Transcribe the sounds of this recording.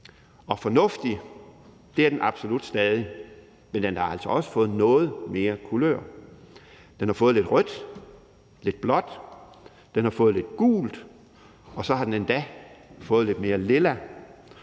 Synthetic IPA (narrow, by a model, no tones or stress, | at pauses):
ɒ̽fɒ̽nɔ̽fd̥i | d̥e̝æɐd̥enʔɑ̈b̥so̝lud̥sd̥ɛːð̞ˠi | mend̥enhɑ̈æl̰sɒ̽ɒ̽sə̥fɔ̽ːð̩ˠnɔ̽ːð̞̩ˠme̝ːɐkʰulø̰ɐ̰ | d̥enhɑ̈fɔ̽ːð̞̩ˠle̝d̥ʁœd̥ | le̝d̥̚b̥lɒ̽d̥ | d̥enhɑ̈fɔ̽ːð̩ˠle̝d̥ɡ̥ṵːld̥ | ɒ̽sɒ̽hɑ̈d̥enend̥æfɔ̽ːð̩ˠle̝d̥me̝ːɐle̝læ